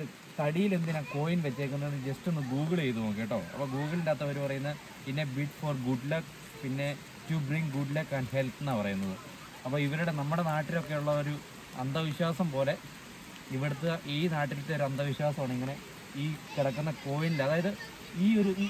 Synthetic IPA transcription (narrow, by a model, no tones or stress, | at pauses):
t̪ɐɽijile̞nd̪inako̞ːjinʋɐt͡ɕːɐɾikːunːɐenːɨd͡ʑestenːɨɡuːɡɐɭejt̪umoːkːejːʈːo̞̰ːɐ̰pːoːɡuːɡɐɭindaːt̪ːɐʋɐɾupɐrɐjunːɐ | pinːe̞biʈːforɡuɖlɐk | pinːe̞ | tubriŋɡɡuɖlɐkːaːnhelp̪enːapɐrɐjunːɐðɨ̰ | ɐpːoːiʋɐɾuɽe̞nɐmːuɽe̞naːʈːilo̞kːe̞juɭːɐoɾu | ɐ̰nd̪ɐʋiɕwaːsɐmpo̞ːle̞ | iʋiɽɐt̪ːɨʔiːnaːʈːilit̪ːeo̞ɾuɐnd̪ɐʋiɕwaːsɐmaːɳɨiŋːɐne̞ | iːkiɽɐkːunːɐko̞ːjinilɐðaːjɐðɨ | iːo̞ɾu